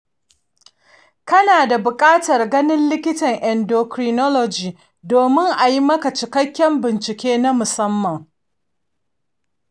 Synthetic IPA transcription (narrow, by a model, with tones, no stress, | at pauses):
kɐ˦naː˨da˨bʊ˨kʼaː˦tɐ˨rɡɐ˦nɪ˦nlɪ˦kʲɪ˦tɐ˨ŋʔɛ˨ndoː˨kɾi˦nɔ˦lɔ˨d͡ʒiː˨ | doː˨mɪ˦ŋʔa˨ji˦mɐ˦ka˨t͡ʃɪ˨kɐ˦kʲːɛ˦mbɪ˨nt͡ʃɪ˨kʲeː˦na˦mʊ˨sɐ˦mːɐ˨ŋ